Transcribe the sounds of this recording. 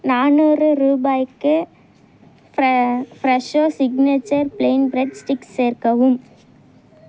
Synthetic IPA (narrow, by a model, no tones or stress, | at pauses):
naːnɔrɯɾuːbaːjkːɯ | fɾɛʂoːsɪɡnet͡ʃːɐɾpleːnbɾɛɖsʈɪksːeːɾkɐʋɯm